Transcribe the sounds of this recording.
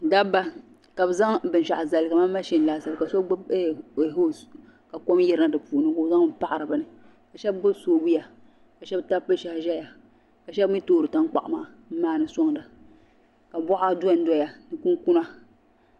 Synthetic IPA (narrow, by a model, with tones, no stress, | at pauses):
da˦ba˦ | ka˨bɨ˨za˦ŋbɨ˨n˨ʃa˨ʔza˨lɨ˨ka˨maː˦ma˦ʃi˦n˨laː˨sa˨lɨ˨ka˨so˦ɡ͡ba˦be˦˨ɦo˦ | ka˨ko˦mjɛ˦ɾɨ˦na˦dɨ˨puː˨nɨ˦ko˨za˦ŋ˦pa˦ʔa˨ɾɨ˨bɨ˨nɨ˨ | ka˨ʃɛ˦bːʊ˦soː˦bu˦ja˨ | ka˨ʃɛ˦bta˦pːɨ˦ʃa˨hʒɛ˦ja˨ | ka˨ʃɛ˦bmi˦toː˦˨ɾɨ˨ta˦ŋk͡pa̰˨ʔa˨maː˦˨˦maː˦˨nɨ˨so˦ŋ˨dɨ˨ | ka˨bɔ˦ʔa˦du˦a˦˨n˦dɔ˦ja˨nɨ˨ku˦ŋku˦na˦